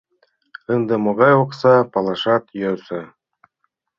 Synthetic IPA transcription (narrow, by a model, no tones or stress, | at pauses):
ɯnd̪ɤ̆moɣɑjoqsɑpɑlˠɑʃɑt̪jøsɤ